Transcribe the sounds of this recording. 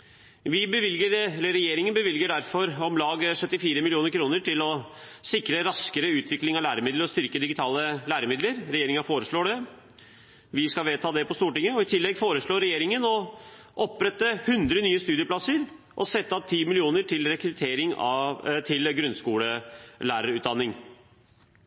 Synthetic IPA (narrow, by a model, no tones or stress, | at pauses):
ʋɪbəʋɪlɡəɾɛləɾɛjeːɾɪŋənbəʋɪlɡəɖæɾfɔɾɔmlɑːɡʂœt̪ːɪfiːɾəmɪlɪuːnəɾkʰɾuːnəʈɪlɔ | sɪkɾəɾɑskəɾəʉːt̪ʰʋɪklɪŋɑʋlæːɾəmɪd̪ləɾɔst̪ʏɾkəd̪ɪɡɪt̪ʰɑːləlæːɾəmɪd̪ləɾɾɛjeːɾɪŋəfoːɾəʂɭoːɖɛ | ʋɪskɑlʋeːt̪ʰɑːd̪ɛpɔst̪uːʈɪŋːəɔɪt̪ʰɪlːɛɡfoːɾəʂɭoːɾɛjeːɾɪŋənɔ | ʔɔpːɾɛt̪ːəhʉnd̪ɾənyːəst̪ʉːd̪ɪəplɑsəɾ | ʔɔsɛt̪ːəɑp̚t̪ʰiːmɪlɪuːnəʈʰɪlɾɛkɾʉt̪ʰeːɾɪŋɑt̪ʰɪlɡɾʉnskuːləlæːɾəɾʉːt̪̚d̪ɑnːɪŋ